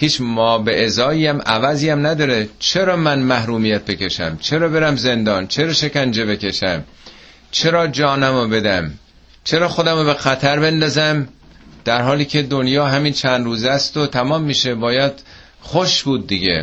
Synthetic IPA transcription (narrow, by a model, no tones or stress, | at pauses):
hiːt͡ʃmɒːbeʔezɒːiːjæmʔævæziːæmnæd̪ɒːɾet͡ʃʰe̞ɾɒːmænmæhɾuːmijæt̪̚be̞ce̞ʃæ̰mt͡ʃʰe̞ɾɒːbe̞ɾæmze̞nd̪ɒːnt͡ʃʰe̞ɾɒːʃe̞cænd͡ʒe̞βe̞ke̞ʃæm | t͡ʃʰe̞ɾɒːd͡ʒɒːnæmobe̞d̪æm | t͡ʃʰe̞ɾɒːxo̞d̪æmobe̞xæt̪ʰæɾbe̞nd̪ɒːzæm | d̪̥æɾhɒːliːcʰe̞d̪onjɒːɦæmiːnt͡ʃʰænd̪ɾuːzæst̪ot̪ʰæmɒːmːiːʃe̞bɒːjæd̪̥ | χoʃbuːd̪̚ːiɟḛ